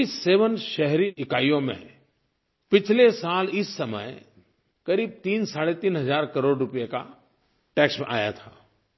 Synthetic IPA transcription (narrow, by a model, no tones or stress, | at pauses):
ɪsːeːʋənʃɛɦɾiɪkaːijõmḛ̃ | pɪt͡ʃʰlesaːlɪsːɐmə̰j | kɐɾiːb̚t̪iːnsaːɽet̪iːnɦɐzaːɾkɐɾoːɖɾʊpijeka | ʈɛːksmḛ̃ʔa̰ːja̰t̪ʰaː